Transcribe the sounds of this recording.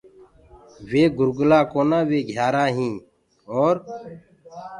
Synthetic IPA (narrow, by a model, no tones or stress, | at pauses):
ʋeːɡʊɾɡʊlaːkoːnãːʋeːɡʱjaːɾaːɦĩː | oːɾ